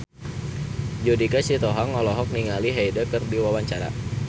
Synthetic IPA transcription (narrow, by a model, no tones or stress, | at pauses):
d͡ʒodikasit̪ɔɦɔŋɔlɔɦɔk̚niŋaliɦajdəkərdiwawaɲt͡ʃaɾa̰